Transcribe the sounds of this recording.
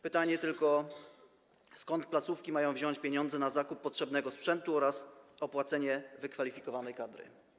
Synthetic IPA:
pɘt̪aɲɛt̪ɘlkɔ | skɔnt̪̚plat̪sufkʲimajɔ̃w̃vʑɔ̃w̃t͡ɕpʲjeɲɔ̃nd̪zɛnazakupːɔtʂɛbnɛɡɔspʂɛnt̪uɔɾasɔpwat̪sɛɲɛvɘkfalʲifʲikɔvanɛjkad̪ɾɘ̰

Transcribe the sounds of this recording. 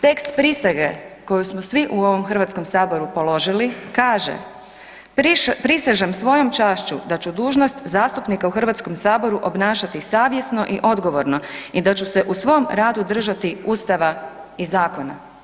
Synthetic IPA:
t̪e̞kst̪pɾisaɡeko̞jusmosʋiʔuo̞ʋo̞mxərʋat̪sko̞msaːbo̞ɾupo̞lo̞ʒilikaːʒḛ | pɾisaʒamsʋo̞jo̞mt͡ʃaːʃt͡ɕṵd̪at͡ɕud̪uːʒno̞st̪zaːst̪upnikauxr̩ʋat̪sko̞msaːbo̞ɾuʔo̞bnaːʃat̪isaːʋje̞snoʔiʔo̞d̪ɡo̞ʋo̞ɾno̞id̪at͡ɕuseʔusʋo̞mɾaːd̪ud̪r̩ʒat̪iuːst̪aʋaizaːko̞na̰

